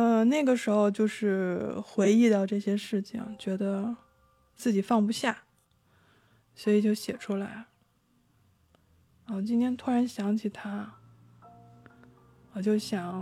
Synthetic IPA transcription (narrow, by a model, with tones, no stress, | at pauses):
ə˧na˥˩ɪɡə˩ʂɻ̩˧˥xo˧ʊt͡ɕjo˥˧ʊʂɻ̩˥˩xwe˧˥ɪi˥˧t̪ɑ˥˧ʊʈ͡ʂɤ˥˩ɕjɛ˥ʂɻ̩˥˩t͡ɕʰḭ˨˩ŋt͡ɕɥɛ˧˥d̪ə˧ | t͡sɹ̩˥˩t͡ɕi˨˩fɑ˥˩ŋpu˧ɕja˥˩ | swɔ˧˥i˨˩t͡ɕjo˥˩ʊɕjɛ˨˩ʈ͡ʂʰu˥la˧˥ɪ˧˩ | wt͡ɕi˥nt̪ʰjɛ˥nt̪ʰu˥ɻa˧˥nɕjɑ˧˥ŋt͡ɕʰi˨˩t̪ʰa˥ | wɔ˨˩t͡ɕjo˥˩ʊɕjɑ˨˩˦ŋ